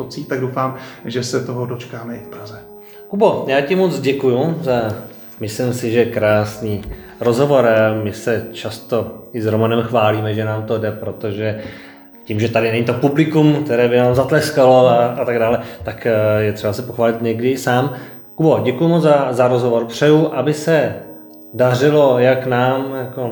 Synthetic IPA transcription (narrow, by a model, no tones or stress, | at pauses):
sopt͡siːxt̪aɡdowfaːmʒɛsɛt̪oɦodot͡ʃkaːmɛʔɪfpɾazɛ | kubo̞jaːcɪmot͡sɟɛkujuza | mɪslɪmsɪʒɛkɾaːsniː | ɾo̞zɦovo̞ɾamɪsɛt͡ʃast̪o̞ɪzɾomanɛmxvaːliːmɛʒɛnaːmt̪o̞dɛpɾo̞t̪o̞ʒɛ | ciːmʒɛt̪adɪnɛɲit̪o̞publɪkumk̚t̪ɛɾɛːbɪnaːmzat̪lɛskalo̞aat̪aɡdaːlɛt̪akjɛt̪r̥ɛbasɛpoxvaːlɪt̪ɲɛɡdɪɪsaːm | kuboɟɛkujumot͡szazaɾozɦovoɾpr̝̥ɛjuʔabɪsɛ | dar̝ɪlo̞jaknaːmjako